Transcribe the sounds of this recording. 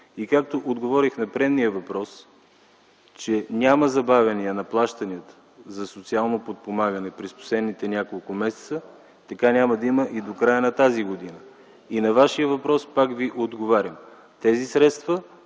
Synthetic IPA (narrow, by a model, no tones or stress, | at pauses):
ikakt̪oʔod̪ɡovɔɾixnɐpɾɛnnijəvɐpɾɔs | t͡ʃɛnʲaməzɐbavʲɛniənɐplˠaʃt̪ɐniət̪ə̥ | zɐsot̪sialˠnopot̪̚pomaɡənɛpɾɛspo̥slɛd̪nit̪ɛnʲakolˠkʊmɛsɛ̥t̪sə | t̪ɐkanʲaməd̪ɐiməʔid̪okɾajənɐt̪aziɡod̪inə | inɐvaʃijəvɐpɾɔspakviʔod̪ɡovaɾʲɐm | t̪ɛzisɾɛt̪st̪və